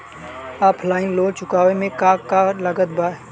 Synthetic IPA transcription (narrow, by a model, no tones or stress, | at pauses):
aːpʰlaːɪ̃nloːt͡ʃʊkaːʋemẽkaːkːalɐɡət̪baː